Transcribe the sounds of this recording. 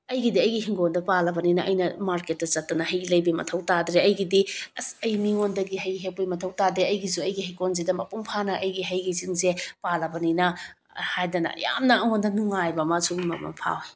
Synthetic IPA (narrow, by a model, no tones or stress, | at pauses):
ɐjɡidiɐjɡiɦiŋɡondɐpalɐbɐninɐʔɐ̰jnɐmaɾket̚dɐt͡ʃɐt̚ːɐnɐhɐjɡilɐjbimɐ̰tʰɐwtadɾeɐjɡidiɐsɐjmiŋondɐɡiɦɐjɡiɦek̚pijmɐtʰɐwtadɾeɐjɡizuɐjɡiɦikonzedɐmɐpuŋpʰanɐʔɐjɡiɦɐjɡiziŋzepalɐbɐninɐ | hajdɐnɐ̰ja̰mnɐɐŋondɐnuŋajbɐmasuɡnmɐ̰pɐ̰ŋpʰa̰wj